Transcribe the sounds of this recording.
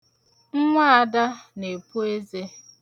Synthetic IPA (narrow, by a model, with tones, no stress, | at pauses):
ŋ̩˦ŋʷa˦a˨da˦ne˨pu˦e˦ze˦